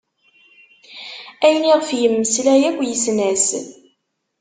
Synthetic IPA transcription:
æjniʁəfjəmːəslæjækʷːjəsnæs

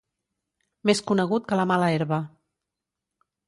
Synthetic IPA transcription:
meskunəɣ̞ut̪̚kələmaləeɾβə

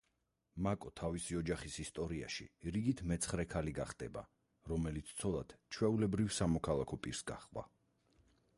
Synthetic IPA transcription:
makʼɔt̪ʰavisiɔd͡ʒaχisist̪ʼɔɾia̰ʃḭɾiɡit̪ʰmɛt̪sʰχɾɛkʰaliɡaχd̪ɛba̰ | ɾɔmɛlit̪sʰt̪sʰɔlˠad̪̥t͡ʃʰwɛulɛbɾivsamɔkʰalˠakʰɔpʼiɾsɡa̰χwa̰

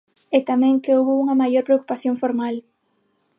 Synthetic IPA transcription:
et̪amɛ̃ŋkeowβouŋɐmajoɾpɾeoku̥paθjoŋfoɾmal

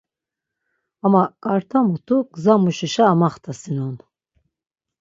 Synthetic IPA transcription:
amakʼaɾt̪ʰamut̪ʰuɡzamuʃiʃaːmaχt̪ʰasinɔn

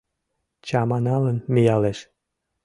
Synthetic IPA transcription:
t͡ɕɑmɑnɑlənmijɑleʃ

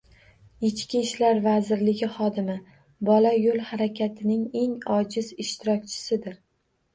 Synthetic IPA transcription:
ɪt͡ʃkʲiʃlaɾvazɪɾlɪɡʲɪχɒd̪ɪmɪ | bɒlajolˠhaɾakʲʰat̪ʰɪnɪŋe̞ŋɒd͡ʒɪzɪʃt̪ʰɪɾɒkʲt͡ʃʰɪ̥sɪd̪ɪɾ

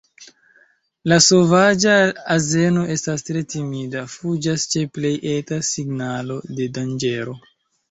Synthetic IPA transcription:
laso̞vad͡ʒaːze̞no̞ʔe̞stastɾe̞timidafud͡ʒast͡ʃe̞ple̞jʔe̞tasiɡnalo̞de̞dand͡ʒe̞ɾo̞

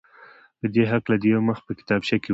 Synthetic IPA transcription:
pəd̪eɦaklad̪əjawməx̚pəkɪ̥t̪ɑbʃake

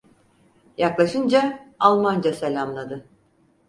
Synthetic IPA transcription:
jaklˠaʃɯnd͡ʒaalˠmand͡ʒaselʲamlˠad̪ɯ

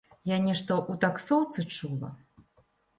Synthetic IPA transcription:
janʲɛʂt̪ɐʔut̪aksɔwt̪sɨt͡ʂulˠɐ̰

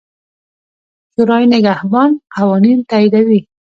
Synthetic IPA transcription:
ʃʊɾɑjnɪɡahbɑnqawɑnint̪aid̪awi

